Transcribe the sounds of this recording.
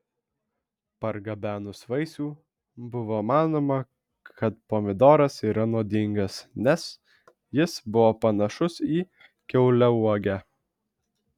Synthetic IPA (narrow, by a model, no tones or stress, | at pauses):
pɐɾɡɐbʲæːnʊsʋɐɪsʲuː | bʊʋoːmɑːnoːmɐ | kʰɐt̪poːmʲɪd̪oːɾɐsiːɾɐnoːd̪ʲɪŋɡɐsnʲɛs | jɪsbʊʋoːpɐnɐʃʊsiː | kʲɛʊlʲɛuɔɡʲæː